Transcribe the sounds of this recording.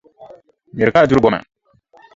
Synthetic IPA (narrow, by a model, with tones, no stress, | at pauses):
mi˨ɾka˦˨u˦ɾu˦bɔ˦mã̰˨